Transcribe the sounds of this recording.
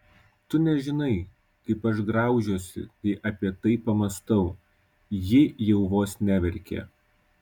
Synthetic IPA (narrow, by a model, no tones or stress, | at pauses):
t̪ʊnʲɛʒʲɪnɐɪ | kɐɪpɐʃ̬ɡɾɑˑʊʒʲoːsʲɪ̰t̪ɐɪʔɐpʲiɛt̪ɐɪpɐmɐst̪ɐʊ | jɪjɛʊʋoːsnʲæːʋʲɛɾʲkʲḛː